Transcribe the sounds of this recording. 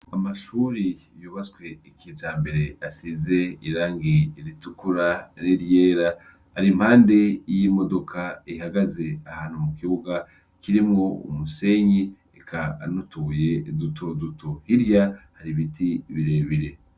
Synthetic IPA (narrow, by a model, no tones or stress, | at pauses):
amaʃuːɾi | juːβat͡skwe̞ikiːt͡ʃaːmbe̞ɾe̞asizeiɾaːŋɡiɾitukuɾaniɾje̞ːɾa | haɾimhaːnde̞jimo̞do̞kʰaihaɡaze̞ahaːn̥humukiβuɡa | kiɾimŋo̞ṵmuse̞ɲi | ekʰa̰nutuːje̞dutodutohiɾjahaɾiβitʰiβiɾe̞ːβiɾe̞